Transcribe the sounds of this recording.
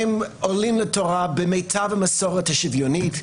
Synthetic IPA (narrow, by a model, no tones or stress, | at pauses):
molimlətʰoʁabemejtʰavamasoʁethaʃivjonit